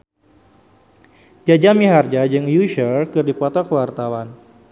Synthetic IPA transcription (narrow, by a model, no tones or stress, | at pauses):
d͡ʒad͡ʒamiɦard͡ʒad͡ʒɨŋjuʃərkɨrdipɔt̪ɔkəwart̪awan